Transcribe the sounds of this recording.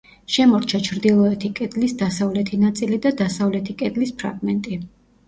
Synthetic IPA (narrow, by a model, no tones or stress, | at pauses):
ʃɛmɔɾt͡ʃʰat͡ʃʰɾd̪ilˠɔɛt̪ʰikʼɛd̪lisd̪asavlɛt̪ʰinat̪sʼilid̪ad̪asavlɛt̪ʰikʼɛd̪lispʰɾa̰ɡmɛnt̪ʼi